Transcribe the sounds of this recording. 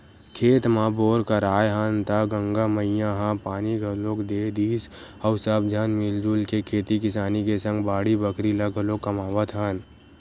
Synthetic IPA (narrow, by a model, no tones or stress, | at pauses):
kʰeːt̪maboːɾkɐɾaːjɦaːnt̪aɡə̃ŋɡamɐɪjãɦãpaːniɡʱɐloːkd̪eːd̪iːs | əʊsəb̚d͡ʒʱɐnmɪld͡ʒulkekʰeːt̪ikɪsaːnikesə̃ŋɡbaːɽibəkʰɾilɐɡʱɐloːkːɐmaːʋət̪ʰɦaːn